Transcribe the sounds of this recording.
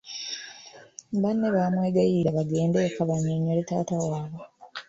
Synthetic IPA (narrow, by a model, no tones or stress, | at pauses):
βanːeβaːmwe̞ːɡajiɾaβaɡeːndeːkaβaɲoɲːaleta̰ːtawaːβo